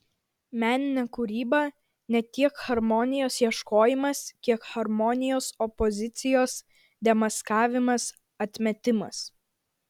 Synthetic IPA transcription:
mʲæːnʲɪnʲɛkʊɾʲiːbɐ | nʲɛt̪ʲiɛkxɐɾmɔnʲɪjoːsjiɛʃkoːjɪmɐskʲiɛkxɐɾmɔnʲɪjoːsɔpɔzʲɪt̪sʲɪjoːs | d̪ʲɛmɐskɑːʋʲɪmɐs | ɐt̪ʲmʲɛt̪ʲɪmɐ̰s

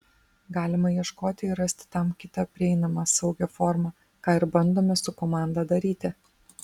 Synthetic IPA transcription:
ɡɑːlʲɪmɐjiɛʃkoːt̪ʲɪɪɾɾɐsʲt̪ʲɪ̥t̪ɐmkʲɪt̪ɐpʲɾʲɪɛɪnɐmɑːsɐʊɡʲɛfɔːɾmɑ | kɑːɪɾbɐnd̪oːmʲɛsʊkɔmɑˑnd̪ɐd̪ɐɾʲiːt̪ʲɪ

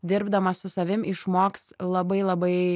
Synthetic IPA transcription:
d̪ʲɪɾbd̪ɐmɐssʊsɐʋʲɪmʔɪʃmoːkslˠɐbɐɪlˠɐbɐɪ

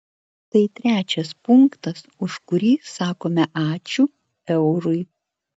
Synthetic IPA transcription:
t̪ɐɪt̪ʲɾʲæːt͡ʃʲɛspʊŋkt̪ɐsʊʃkʊɾʲiːsɑːkoːmʲɛʔɑːt͡ʃʲuː | ɛʊɾʊɪ

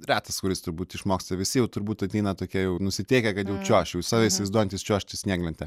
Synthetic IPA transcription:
ɾʲɑːt̪ɐskʊɾʲɪst̪ʊɾbuːt̪ɪʃmoːksʲt̪ɐʋʲɪsʲɪjɛʊt̪ʊɾbuːt̪ɐt̪ʲɛɪnɐt̪oːkʲiɛjɛʊnʊsʲɪt̪ʲɛɪkʲɛkɐt̪jɛʊt͡ʃʲuːʃjɛʊsɑːʋʲɛiːsʲɪʋɐɪzd̪oɔjɛnʲt̪ʲɪst͡ʃʲoɔʃʲt̪ʲɪsʲnʲiːɡlʲɪnʲt̪ʲɛ

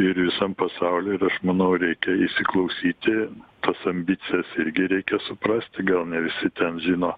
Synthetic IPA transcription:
ɪɾʋʲɪsɑmpɐsɑʊlʲoːɪɾɐʃmɐnɐʊɾʲɛɪkʲɛɪsʲɪklˠɐʊsʲiːt̪ʲɪt̪ɐsɐmʲbʲit̪t͡ssʲɪjɛsɪɾʲɡʲɪɾʲɛɪkʲɛsʊpɾɐsʲt̪ʲɪɡɐlˠnʲɛʋʲɪsʲɪt̪ʲɛnʒʲiːnoː

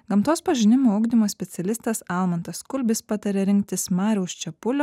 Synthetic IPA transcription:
ɡɐmt̪oːspɐʒʲɪnʲɪmoːʊɡd̪ʲɪmoːsʲpʲɛt̪sʲɛlʲɪst̪ɐsɑlˠmɐnt̪ɐskʊlʲbʲɪspɑt̪ɐɾʲɛɾʲɪŋk̚t̪ʲɪsmɑːɾʲɛʊst͡ʃʲɛpʊlʲoː

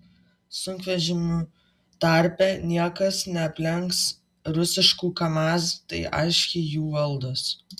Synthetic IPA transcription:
sʊŋʲkʋʲɛʒʲɪmu | t̪ɐˑɾʲpʲɛːnʲiɛkɐsnʲɛɐpʲlʲɛŋks | ɾʊsʲɪʃkuːkɐmɑːst̪ɐɪʔɐ̰ɪʃʲkʲeɪjuːʋɐlˠd̪os

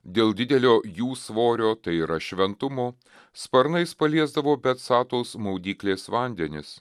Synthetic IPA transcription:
d̪ʲeːlˠd̪ʲɪd̪ʲɛlʲoːjuːsʋoːɾʲoːt̪ɐɪiɾɐʃʲʋʲɛnt̪ʊmoː | spɐɾnɐɪspɐlʲiɛzd̪ɐʋoːbʲɛt̪sɑːt̪oːsmɐʊd̪ʲiːklʲeːsʋɑˑnʲd̪ʲɛnʲɪs

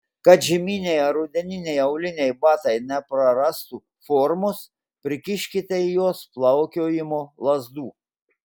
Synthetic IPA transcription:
kɐt̪ʒʲɪmʲinʲejɐɾʊd̪ʲɛnʲɪnʲɛjɐʊlʲɪnʲɛjbɑːt̪ɐɪnʲɛpɾɐɾɐst̪u | fɔːɾmʊs | pʲɾʲɪkʲɪʃʲkʲɪt̪ʲɛjoːsplˠɐʊkʲoːjɪmoːlˠɐzd̪uː

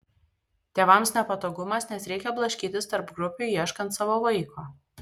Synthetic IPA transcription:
t̪ʲeːʋɐmsnʲɛpɐt̪oːɡʊmɐsnʲɛsɾʲɛɪkʲɛblˠɐʃʲkʲiːt̪ʲɪst̪ɐɾpɡɾʊpʲujiɛʃkɐnt̪sɑːʋoːʋɐɪkʰoː

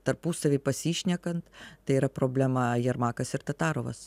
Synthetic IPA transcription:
t̪ɐɾpuːsɐʋʲeɪpɐsʲiːʃʲnʲɛkɐnt̪t̪ɐɪiːɾɐpɾoːbʲlʲɛmɐjɛɾmɑːkɐsɪɾt̪ɐt̪ɑːɾoːʋɐ̰s

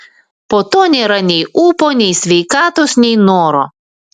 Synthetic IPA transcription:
poːt̪oːnʲeːɾɐnʲɛɪʔuːpoːnʲɛɪsʲʋʲɛɪkɑːt̪oːsnʲɛɪnoːɾoː

